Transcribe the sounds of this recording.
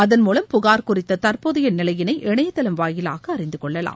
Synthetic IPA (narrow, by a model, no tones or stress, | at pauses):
ɐðɐnmuːlɐmpʊɣaːɾkʊrɪt̪ːɐt̪ɐrpɔðɪjɐnɪlɐjɪnɐɪʔɛɳɐjɐt̪ːɐlɐmʋaːjɪla̰ːɣɐːrɪnd̪ɯkɔɭːɐla̰ː